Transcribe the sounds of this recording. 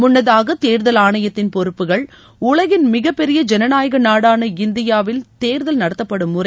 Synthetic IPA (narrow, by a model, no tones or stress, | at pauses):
mʊnːɐðaːɣɐt̪eːɾðɐlaːɳɐjɐt̪ːɪnpɔɾɯpːɯɣɐɭ | ʊɭɐɣɪnmɪɣɐpːɛɾɪjɐd͡ʒɛnɐnaːjɐɣɐnaːɽaːnɐɪnd̪ɪjaːʋɪlt̪eːɾðɐlnɐɽɐt̪ːɐpːɐɽɯmːʊrɐ